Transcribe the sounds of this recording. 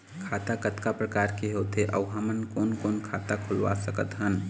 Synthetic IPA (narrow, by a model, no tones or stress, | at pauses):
kʰat̪akət̪kapɾəkaɾkeɦot̪eʔə̰wɦamənkonkonkʰat̪akʰulʋa̰səkət̪ɦən